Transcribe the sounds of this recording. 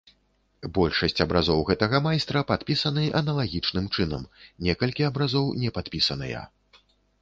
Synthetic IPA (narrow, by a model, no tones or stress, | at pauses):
bɔlʲʂɐsʲt͡sʲɐbɾʔazɔwɣɛt̪ɐɣɐmajst̪ɾɐpat̪pʲisɐnɨʔɐnɐlˠaɣʲit͡ʂnɨmt͡ʂɨnɐ̰mnʲɛkɐlʲkʲiɐbɾazɔwnʲɛpat̪̚pʲisɐnɐ̰jɐ̰